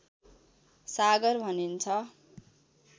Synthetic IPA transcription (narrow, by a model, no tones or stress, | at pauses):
saɡʌrbʱʌnint͡sʰʌ